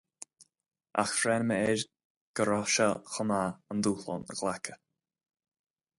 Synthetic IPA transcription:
ʔa̰xfɾɛnməɛɾ | ɡ̥əɾɔʃaxɔmaːənd̪uːlɔ̰nə̰ɡlakʰə̥

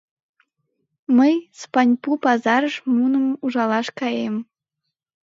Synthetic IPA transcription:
məjspɑnʲpupɑzɑɾɤ̆ʂmunə̆muʒɑlˠɑʃkɑjem

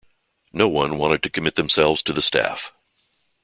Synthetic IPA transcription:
noʊwʌ̃nwɑ̃ɾ̃ɨd̚tʰɨkʰɨmɪt̪̚ðɨ̃msɛlˠvz̥tʰɨðɨstæ̰f

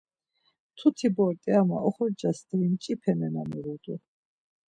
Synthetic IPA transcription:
t̪ʰut̪ʰibɔɾt̪ʼɛama̰ʔɔχɔɾd͡ʒasd̪ʰɾint͡ʃʼipʰɛmɛnamɛɾud̪u

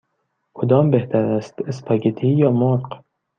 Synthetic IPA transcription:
kʰod̪ɒːmbeht̪ʰæɾæst̪espʰɒːɡet̪ʰijɒːmoɾq

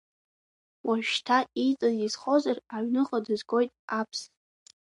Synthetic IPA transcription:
wʔaʒᶣtʰait͡sʼazizχozaraɥnɨχʼadɨzɡo̞jtʼapʰs

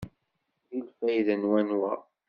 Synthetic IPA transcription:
ðilfæjðənwænwæ

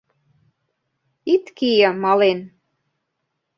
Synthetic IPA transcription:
it̪kijə̆mɑlen

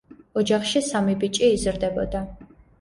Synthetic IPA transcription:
ɔd͡ʒaχʃisamibit͡ʃʼiːzɾd̪ɛbɔ̰d̪a

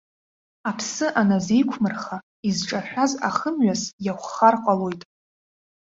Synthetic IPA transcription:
apʰsɨʔanazejkʷʰmɨrχa | izʈ͡ʂʼaħʷᶣaza̰χəmɥasjaχʷːarqʷʼalo̞jtʼ

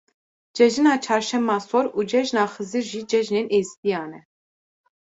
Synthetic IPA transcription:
d͡ʒɛʒinat͡ʃʰɑɾʃɛmasɔɾud͡ʒɛʒnaχəziɾʒid͡ʒɛʒninʔɛzbijanɛ

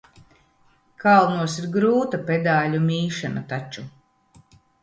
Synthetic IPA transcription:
kalˠnuɔsiɾɡɾuːt̪apʲed̪aːlʲumʲiːʃanɐt̪at͡ʃu

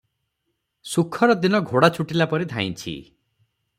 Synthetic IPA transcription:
sukʰɔɾɔd̪inɔɡʱoɽat͡ʃʰuʈilapɔɾid̪ʱa̰ij̃nt͡ʃʰḭ

